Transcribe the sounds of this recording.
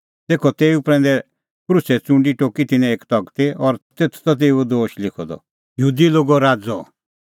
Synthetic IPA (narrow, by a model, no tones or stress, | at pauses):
t̪eːkʰɔt̪eːupɾɛ̃ːn̆d̪ɛ | kɾʊsɛt͡sʊ̃ɳɖiʈoːkit̪ɪnɛ̃eːkt̪ɔɡt̪eɔɾt̪eːt̪ʰt̪ɔt̪̬eːud̪oːʃlɪkʰɔd̪ɔ̰ | jəɦuːd̪iloːɡɔɾaːd͡zɔ